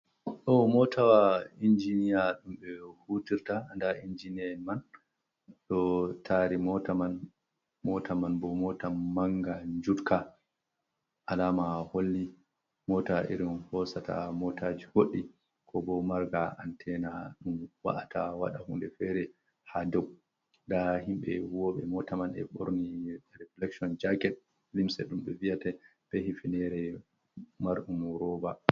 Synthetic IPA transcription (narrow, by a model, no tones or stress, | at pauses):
ɗɔmɔtʰawaind͡ʒinijaɗumɓɛhutiɾtaandaʔind͡ʒinɛman | ɗɔtʰaɾimɔtaman | mɔtʰamanbɔmɔtamaŋɡaɲd͡ʒutka | ʔalaːmaholːi | mɔtaʔḭɾinhɔsata̰mɔtʰad͡ʒihoɗːi | kʰɔbɔmaɾɡaʔa̰ntʰɛnaɗumwa̰ʔatʰawa̰ɗahundɛfɛɾɛ | hadɔw̚ | dahimɓɛ̰huwɔɓɛmɔtamanɛ̰ɓoɾniɾɛflɛksɔnd͡ʒaɡɛt̚ | limsɛɗumɓɛvijatɛb̥ɛhifinɛɾɛ | maɾɗumɔɾɔba